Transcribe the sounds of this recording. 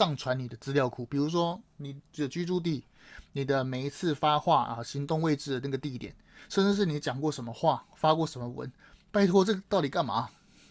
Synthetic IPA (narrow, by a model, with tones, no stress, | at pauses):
ʂɑ˥˩ŋʈ͡ʂʰwa˧˦ni˨˩d̪ə˦t͡sɹ̩˥ljɑ˧ʊkʰu˨˩pi˨˩ɻu˧˥ʂ̬wɔ˥ni˨˩˨d̪ə˦t͡ɕy˥ʈ͡ʂu˥˧t̪̬i˥˩ | ni˨˩d̪ə˦me˨˩ɪi˧˥t͡sʰɹ̩˥˩fa˥xwa˥˩ə̰˨ɕi˧˥ŋt̪ʊ˥˧ŋwe˥˧ɪʈ͡ʂɻ̩˥˩d̪ə˩na˥˩ɡə˩t̪i˥˩t̪jɛ˨˩˦nʂə˥˧nʈ͡ʂɻ̩˥˧ʂ̬ɻ̩˥˩ni˧˥t͡ɕjɑ˨˩ŋkwɔ˥˩ʂə˧˥nmə˧xwa˥˩fa˥kwɔ˥˩ʂə˧˥nmə˧wə̰˧˦n | pa˥˩ɪt̪ʰwɔ˥ʈ͡ʂɤ˥˩ɡt̪ɑ˥˩ʊt̪i˨˩ka˥˩nma̰˨˩